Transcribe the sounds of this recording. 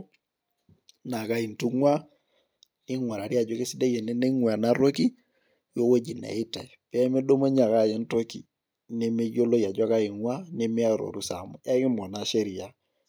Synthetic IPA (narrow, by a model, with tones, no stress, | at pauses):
na˨ka˦i˨n˨tu˦ŋwa˦ | nɪ˦ŋwa˨ɾa˨ɾi˦a˨d͡ʒo˦ke˦sɪ˦de˦je˨ne˦ne˦ŋwa˨na˦ɾo˦ki˦ | jo˦wo˦d͡ʒi˨na̰˨ɪ˦ta˨pɛ˦me˦do˦mo˦ɲa˨ka˦˨je˦n˦to˦kḭ˨ | ne˦me˦jo˦lo˦ja˨d͡ʒa˦ka˦i˨ŋwa˦ne˦me˦a˦ɾo̰˨ɾu˦sa̰˨mɔ˨ja˦kɪ˦mɔ˨na˨ʃe˦ɾi˨ja˦